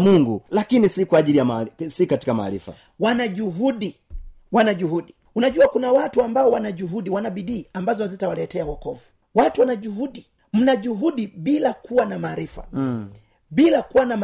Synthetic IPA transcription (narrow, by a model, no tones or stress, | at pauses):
muŋɡulakinisikwaːʄilijamasikati̥kama̰ːɾḭfa̰ | wanaʄuɦuɗi | wanaʄuɦuɗi | unaʄuakunawatuambaɔwanaʄuɦuɗiwanaɓiɗiːambazɔzitawalɛtɛawakɔvu | watuwanaʄuɦuɗi | m̩naʄuɦuɗiɓilakuwanamaːɾifa̰ | ɓilakuwanam